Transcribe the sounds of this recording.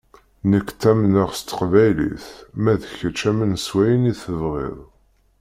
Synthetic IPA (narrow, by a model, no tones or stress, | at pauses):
nəkːt̪ːæmnəʁst̪ə̥qvæjlḭθmæðəçət͡ʃːæmənswæjəniθəvʁɪ̰ðˤ